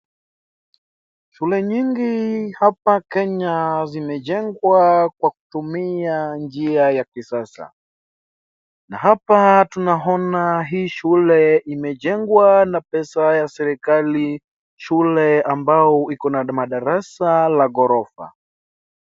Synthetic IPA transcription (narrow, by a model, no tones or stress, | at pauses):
ʃulɛɲiŋɡihapakɛɲazimɛʄɛŋɡwakwaku̥tumiand͡ʒiajakisasa̰ | naɦapatunaɔnaɦiːʃulɛimɛʄɛŋɡwanapɛsajasɛɾikali | ʃulɛambaɔikɔnamaɗaɾasalaɣɔɾɔfa̰